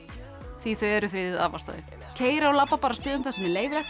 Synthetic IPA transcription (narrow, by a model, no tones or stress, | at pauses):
θviθœɥɛɾʏfɾɪːðɪða̰ːvast̪œ̰ːðʏ | cʰeːjɾaɔlapːapaːɾast̪ʏːðʏmθasɛmɛɾleːjvɪɾlɛ